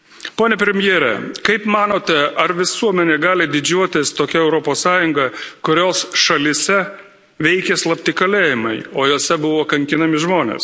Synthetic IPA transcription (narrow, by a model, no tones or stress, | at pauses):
poːnʲɛpʲɾʲɛmʲjeːɾʲɛ̰kɐɪpmɑːnoːt̪ʲɛʔɐɾʋʲɪsuɔmʲɛnʲeːɡɑːlʲɪd̪ʲɪd͡ʒʲuɔt̪ʲɪst̪oːkʲɛɛʊɾoːpoːssɑːjʊŋɡɐkʊɾʲoːsʃɐlʲɪsʲɛ | ʋʲɛɪkʲɛslˠɐpʲt̪ʲɪkɐlʲeːjɪmɐɪoːjoːsʲɛbʊʋoːkɐŋʲkʲɪnɐmʲɪʒmoːnʲḛːs